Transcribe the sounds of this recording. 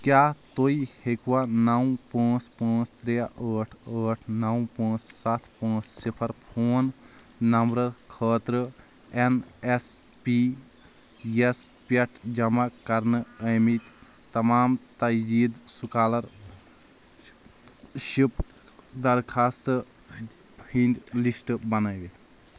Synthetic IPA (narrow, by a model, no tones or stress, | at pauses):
kjaːt̪oihekuwanɐwpãːt͡ʃpãːt͡ʃʰt̪ɾeaʔəːʈʰəːʈʰnɐwpãːt͡ssat̪ʰpãːt͡ʃsipʰɐɾpʰoːnː | ɐmbɾɐɾkʰəːt̪ɾə | enes | pi | jespeʈʰd͡ʒɐmakɐɾnɨəjmit̪ | t̪ɐmaːmt̪ɐid̪sukaːlɐɾ | ʃip | d̪ɐɾkʰast̪ | pʰind̪lisʈbɐnajʋet̪ʰ